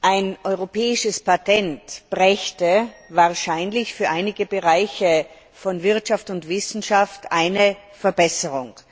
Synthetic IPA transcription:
ʔaɪnʔɔʏʁopʰɛːɪʃəspatɛntb̥ʁɛçtəvaːɐʃaɪnlɪçfyːɐʔaɪnɪɡəbəʁaɪçə | fɔnvɪɐtʃaftʊntv̥ɪsn̩ʃaftʔaɪnə | fɛɐbɛsəʁʊŋ

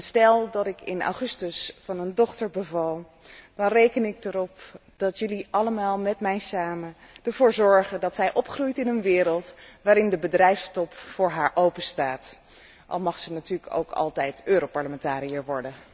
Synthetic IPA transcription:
stɛlˠdɑtɪkɪ̰na̰wχɵstəsfɑnəndɔχtəɹbəvɑlˠ | d̥ɑnrejkənɪk̚dəɾɔpd̥ɑtjɵliʔɑləmaːlˠmɛtmɛjsaːmə | d̥əɹvoːɹzɔɹχədɑtsɛjʔɔpχrujtɪnənʋɪːɾəlˠtʋaːɾɪndəbədrɛjfstɔpfʊːɹɦaːɹʔowpəstaːt | ʔɑ̰lˠmɑχsənatyːɹləko̰wkʰɑ̰lˠtɛjtøːɾowpɑɹləmɛntaːɾijəʋɔɹdə

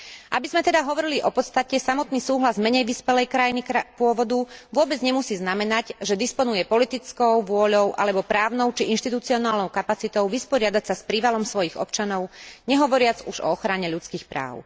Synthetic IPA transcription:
ʔabizmɛt̪ɛd̪aɦɔʋɔɾiliʔɔpɔt̪st̪acɛsamɔt̪niːsuːɦlazmɛɲɛjʋispɛlɛjkɾajinikpʊɔʋɔd̪uʋʊɔbɛd͡zɲɛmusiːznamɛnaɟʒɛd̪ispɔnujɛpɔlit̪it͡skɔʊʋʊɔʎɔʊʔa̰lɛbɔpɾaːʊnɔʊt͡ʃiʔinʃt̪it̪ut͡siɔnaːlnɔʊkapat͡sit̪ɔʊʋispɔɾɪad̪acsaspɾiːʋalɔmsʋɔjiɣɔ̰p̚t͡ʃanɔʊɲɛɦɔʋɔɾɪad͡zuʒɔ̰ɔxɾaɲɛʎut͡skiːxpɾa̰ːʊ

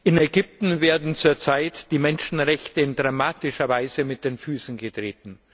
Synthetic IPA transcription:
ʔɪnɛɡʏp̚tn̩veːɐdn̩t͡suːɐt͡saɪtd̥iːmɛnʃn̩ʁɛçtəɪndʁamaːtɪʃɐvaɪzəmɪt̚d̥eːnfyːsn̩ɡətʁ̥eːtn̩

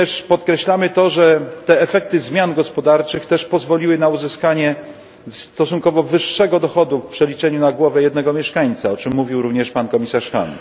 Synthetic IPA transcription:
ɛʂpɔt̪kɾɛɕlamɘt̪ɔʐɛt̪ɛːfɛk̚t̪ɘzmʲjanɡɔspɔd̪aɾt͡ʂɘxt̪ɛʂpɔzvɔlʲiwɘnauzɘskaɲɛ | fst̪ɔsunkɔvɔvɘʂːɛɡɔd̪ɔxɔd̪ufpʂɛlʲit͡ʂɛɲunaɡwɔvɛjɛd̪nɛɡɔmʲjɛʂkaɲt̪saɔt͡ʂɘmːuvʲiwɾuvɲɛʂpankɔmʲisaʂxa̰n

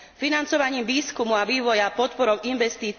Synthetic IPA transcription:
finant͡sɔʋaɲiːmʋiːskumuaʋiːʋɔjapɔt̪pɔɾɔʊinʋɛst̪iː

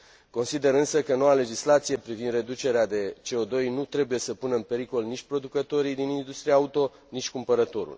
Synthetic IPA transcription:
ko̞nsid̪e̞ɾɨnsəkəno̞wale̞d͡ʒislat̪sije̞pɾivind̪re̞d̪ut͡ʃe̞ɾead̪e̞t͡ʃe̞o̞d̪o̞jnut̪ɾe̞buje̞səpunəɨnpe̞ɾiko̞lnit͡ʃʲpɾo̞d̪ukət̪o̞ɾijd̪inind̪ust̪ɾijaaut̪o̞ | nit͡ʃʲkumpəɾət̪o̞ɾṵl

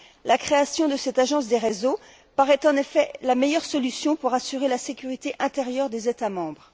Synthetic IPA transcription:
lakχeasjɔ̃d̪əsɛt̪aʒɑ̃s̬d̪eʁezo | paʁɛt̪ɑ̃nefɛlamejœʁsɔlysjɔ̃puʁasyʁelasekʲyʁit̪eʔɛ̃t̪eʁjœʁd̪ezet̪amɑ̃bʁ

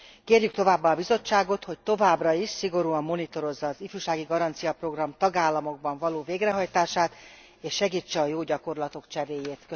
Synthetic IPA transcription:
keːrjyk̚t̪o̞vaːbːaːbizo̞t͡ʃːaːɡo̞t̪ho̞c̚t̪o̞vaːbrɒiʃsiɡo̞ɾuɒmːo̞nit̪o̞ɾo̞zːɒːzifyːʃaːɡiɡɒɾɒnt̪sijɒpro̞ɡrɒmt̪ɒɡaːlːɒmo̞ɡ̚bɒɱvɒloːveːɡrɛɦɒjt̪aːʃaːt̪ | eːʃːɛɡiːt͡ʃːɛɒjoːɟɒko̞rlɒt̪o̞kt͡ʃɛɾeːjeːt̪kø

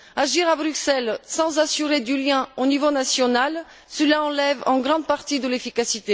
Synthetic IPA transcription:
aʒiʁabʁyksɛlsɑ̃zasyʁed̪yljɛ̃onivonasjɔnal | səlaɑ̃lɛvɑ̃ɡʁɑ̃d̪̚paʁt̪id̪əlefikasit̪e

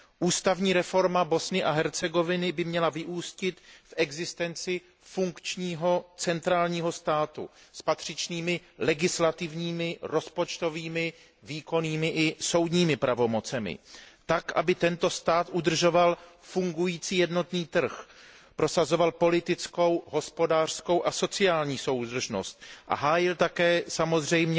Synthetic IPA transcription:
ʔuːst̪avɲiːɾɛfo̞ɾmabo̞snɪʔaɦɛɾt͡sɛɡo̞vɪnɪbɪmɲɛlavɪʔuːscɪt̪fʔɛɡzɪst̪ɛnt͡sɪ | fuŋkt͡ʃɲiːɦo̞t͡sɛnt̪ɾaːlɲiːɦo̞st̪aːt̪ṵspat̪r̝̥ɪt͡ʃniːmɪlɛɡɪslat̪ɪvɲiːmɪɾo̞spo̞t͡ʃt̪o̞viːmɪ | viːko̞niːmɪʔɪso̞wd̪ɲiːmɪpɾʔavo̞mo̞t͡sɛmɪ̰t̪akʔa̰bɪt̪ɛnt̪o̞st̪aːt̪ʔud̪r̩ʒo̞valfuŋɡujiːt͡siːjɛdno̞t̪niːt̪r̩x | pɾo̞sazo̞valpo̞lɪt̪ɪt͡sko̞wɦo̞spo̞daːr̥sko̞wʔaso̞t͡sɪaːlɲiːso̞wd̪r̩ʒno̞̰st̪ʔa̰ɦaːjɪlt̪akɛːsamo̞zr̝ɛjmɲɛ

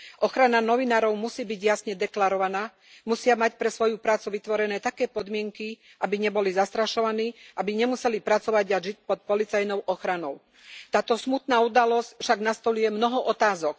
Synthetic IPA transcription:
ʔɔxɾananɔʋinaːɾɔʊmusiːbiɟjasɲɛd̪ɛklaɾɔʋanaː | musɪamacpɾɛsʋɔjupɾaːt͡suʋit̪ʋɔɾɛnɛːt̪akɛːpɔd̪mɪɛŋki | ʔabiɲɛbɔlizast̪ɾaʃɔʋaniːʔabiɲɛmusɛlipɾat͡sɔʋaɟaʒic̚pɔt̪̚pɔlit͡sajnɔʊʔɔxɾanɔʊ | t̪aːt̪ɔsmut̪naːud̪alɔscfʃaɡnast̪ɔʎujɛmnɔɦɔʔɔt̪aːzɔk

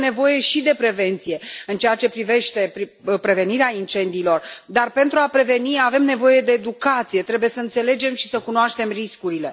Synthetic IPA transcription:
ne̞vo̞je̞ʃid̪e̞pɾe̞ve̞nt̪sije̞ɨnt͡ʃejat͡ʃe̞pɾive̞ʃt̪e̞pipɾe̞ve̞niɾeaint͡ʃe̞nd̪iːlo̞rd̪arpe̞nt̪ɾuapɾe̞ve̞niave̞mne̞vo̞je̞d̪e̞ːd̪ukat̪sije̞t̪ɾe̞buje̞səɨnt̪se̞le̞d͡ʒe̞mʃi̥səkunoaʃt̪e̞mriskuɾile̞

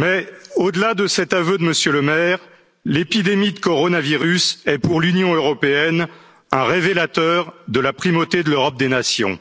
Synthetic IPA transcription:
mɛod̪əlad̪əsɛt̪avød̪əməsjøləmɛʁ | lepid̪emid̪əkɔʁɔnaviʁysɛpuʁlynjɔ̃øʁɔpeɛn | ɛ̃ʁevelat̪œːʁd̪əlapχimot̪ed̪əløʁɔp̚d̪enasjɔ̰̃

